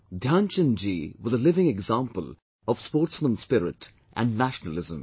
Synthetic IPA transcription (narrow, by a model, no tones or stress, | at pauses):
d̪ʱjãːnt͡ʃə̃nd͡ʒiwɔzəlɪvɪ̃ŋɛɡzãmpəl | ɔv̥spoːɾʈsmə̃nspɪɾɪ̰ʈ | ʔæ̰̃nɖnæʃnəlɪzə̰̃m